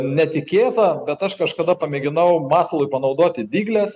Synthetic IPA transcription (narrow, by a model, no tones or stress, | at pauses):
nʲɛt̪ʲɪkʲeːt̪ɐbʲɛt̪ɐʃkɐʃkɐd̪ɐpɐmʲeːɡʲɪnɐʊmɑːsɐlˠʊɪpɐnɐʊd̪oːt̪ʲɪd̪ʲiːɡlʲɛs